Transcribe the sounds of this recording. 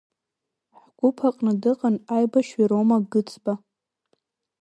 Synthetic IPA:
ħɡʷʊpʰaqʼnadɨqʼanajbaʃiɾomaɡɨt͡sʰʼba

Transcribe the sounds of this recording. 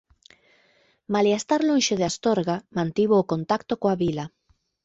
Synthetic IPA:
maliast̪aɾlõnʃoðeast̪oɾɣamãnt̪iβoːkont̪akt̪okoaβila

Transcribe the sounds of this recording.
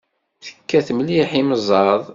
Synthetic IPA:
θə̥kːæθmliħiməzˤɑðˤ

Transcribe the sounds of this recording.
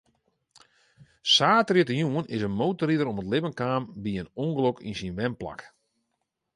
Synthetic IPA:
saːtrɪtəjuənɪsənmowtəɾidəɾɔmətlɪpənkaːmbiənoŋɡəlokʰḭnsinʋɛmpla̰k

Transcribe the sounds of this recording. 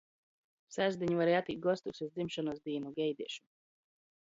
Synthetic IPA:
sæzd̪iɲuvaɾɛjat̪iːt̪̚ɡɔst̪uksʲuzd̪zimʃɔnusd̪iːnuɡʲɛjd̪iɛʃu̥

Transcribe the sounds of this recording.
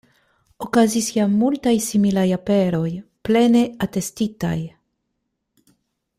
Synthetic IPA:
okazisjamultajsimilajape̞ɾo̞jple̞ne̞ate̞stita̰j

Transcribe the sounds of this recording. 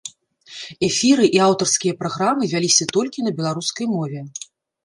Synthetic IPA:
ɛfʲiɾɨʔiawt̪ɐrskʲijɐpɾaɣɾamɨvʲalʲisʲɐt̪ɔlʲkʲinɐbʲɛlˠaɾuskɐjmɔvʲɛ

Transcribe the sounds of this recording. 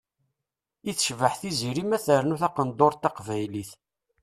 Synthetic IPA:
iθʃvəħθiziɾimæθəɾnuθɑqənd̪oɾt̪ːɑqvæjliθ

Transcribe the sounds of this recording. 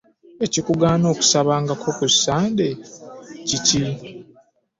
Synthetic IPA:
e̞cikuɡaːno̞ːku̥saβaːŋɡakʰokusaːndecici

